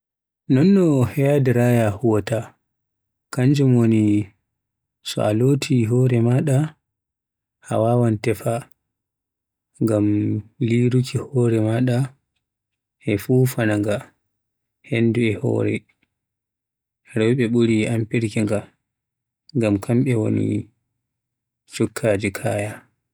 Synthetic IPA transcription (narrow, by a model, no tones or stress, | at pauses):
nɔnːɔhɛjadiɾajahuwɔta | kaɲd͡ʒumwoni | sɔ̰aloːtʰiɦɔːɾɛmaɗa | ha̰waːwantɛfa | ŋɡamliɾukʰihɔːɾɛmaɗa | ʔɛfufanaŋɡa | henduɛhɔ̰ːɾɛ̰ | ɾɔwɓɛɓuɾiʔampiɾkiŋɡa | ŋɡamkʰamɓɛwo̰nḭ | t͡ʃɔkʰːad͡ʒikʰaːja